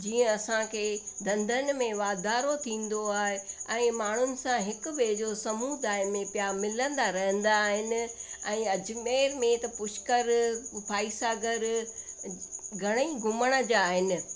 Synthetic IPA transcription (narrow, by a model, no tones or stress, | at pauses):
d͡ʑiːə̃ɐsãkʰeːd̪ɐ̃nd̪ʱənɪ̆mẽʋaːd̪aːɾot̪ʰĩːn̆d̪oaːɦeɛ̃ːmaːɳ̤ʊnɪ̆sãɦɪkʊ̆ʋeːd͡ʑosɐmuːd̪aːɪmẽpjamɪlə̃nd̪aɾɐɦə̃nd̪aːɦɪnɪ̆ɛ̃ːɐd͡ʑ̆meːɾmẽt̪ɐpʊʃkəɾpʰaːisaːɡəɾ | ɡʱɐɽ̃iɡʱʊməɽ̃ə̆d͡ʑaːɦɪnɪ̆